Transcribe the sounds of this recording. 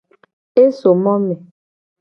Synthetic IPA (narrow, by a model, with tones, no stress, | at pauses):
e˦so˨mɔ˦mɛ˨